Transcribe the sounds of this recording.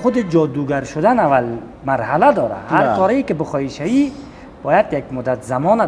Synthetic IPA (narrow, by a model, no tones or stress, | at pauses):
χʊd̪id͡ʒɔːd̪uɡaɾʃʊd̪anaval | maɾhalad̪ɔːɾa̰haɾkɔːɾaikibɪχɔiʃaji | b̥ɔjad̪jaɡmʊd̪at̪zamɔna